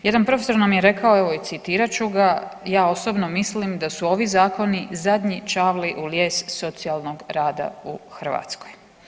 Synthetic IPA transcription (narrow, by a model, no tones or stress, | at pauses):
je̞d̪anpɾofeso̞ɾnamje̞ɾe̞kao̞eʋo̞it̪sit̪iːɾat͡ʃuɡajaːo̞so̞bno̞mislimd̪asuo̞ʋizaːko̞nizad̪ɲit͡ʃaːʋliʔuljeːsːo̞t̪sialˠno̞ɡɾaːd̪a̰uxr̩ʋa̰t̪skoj